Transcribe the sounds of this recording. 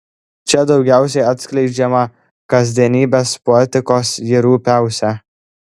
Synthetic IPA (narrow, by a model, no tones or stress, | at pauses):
t͡ʃʲɛd̪ɒʊɡʲæˑʊsʲɛɪɐt̪ʲsʲklʲɛɪd͡ʒʲɛmɐ | kɐzʲd̪ʲiɛnʲiːbʲeːspoɛt̪ʲɪkoːsjiɾuːpʲæˑʊsʲɛ